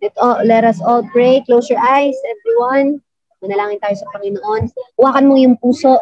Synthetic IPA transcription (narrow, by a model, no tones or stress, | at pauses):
ɛt̪ʔolɛɾɐsʔold̪̚bɹejkːlowsjɔɹʔajsɛvɹiwɐn | mɐnɐlaːŋɪnt̪aːjosɐpɐŋɪnoʔo̞nwaːkɐnmojʊŋpuːso̞ʔ